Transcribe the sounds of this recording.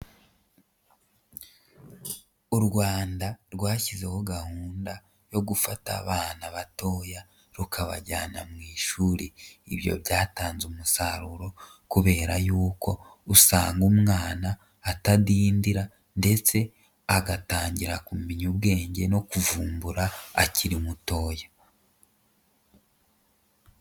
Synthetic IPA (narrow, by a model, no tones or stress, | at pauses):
uɾɡwaːndaɾɡwaːçize̞ho̞ɡahuːnda | jo̞ɡufata̰βaːnaβato̞ja | ɾukʰaβa̰ɟaːnamŋiːʃuːɾiiβjo̰βɟaːtaːnzumusaɾuɾo̞ | kuβe̞ːɾajuːkʰo̞ | usaːŋɡumŋaːnaː | tadiːndiɾa | nde̞t͡se̞ | aɡataːɲɟiɾakumiɲub̚ɡe̞ːɲɟe̞no̞kuvuːmbuɾaa̰ciɾimuto̞ːja